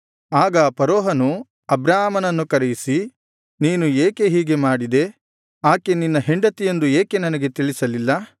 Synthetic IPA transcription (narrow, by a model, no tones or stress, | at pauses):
aːɡɐpɐɾoːɦɐnu | ɐbɾaːɦmɐnɐnːukɐɾejisi | niːnueːke̞ɦiːɡe̞maːɽid̪e̞ | aːkeninːɐɦeɳɖɐt̪ijend̪ueːke̞nɐnɐɡe̞t̪iɭisɐlilːɐ